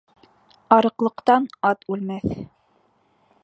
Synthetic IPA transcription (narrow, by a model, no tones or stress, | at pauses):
ɑɾɤ̆qlˠɤ̆qt̪ɑnɑt̪ʉlmæθ